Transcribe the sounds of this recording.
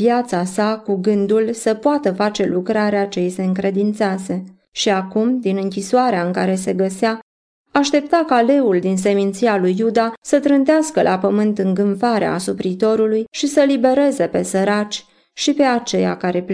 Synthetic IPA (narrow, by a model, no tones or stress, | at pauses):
vjat̪sasakuɡɨnd̪ulsəpoat̪əfat͡ʃe̞lukɾaɾeat͡ʃe̞jise̞ɨŋkɾe̞d̪int̪sease̞ | ʃiakumd̪inɨŋkʲiswaɾeaɨŋkaɾe̞se̞ɡəseaː | ʃt̪e̞p̚t̪akale̞uld̪ins̬e̞mint̪sijalujːud̪asət̪ɾɨnt̪easkəlʔapəmɨnt̪ɨŋɡɨɱfaɾḛa̰supɾit̪o̞ɾulujʃisəlibe̞ɾe̞ze̞pe̞səɾat͡ʃʲ | ʃipe̞at͡ʃe̞ja̰kaɾe̞p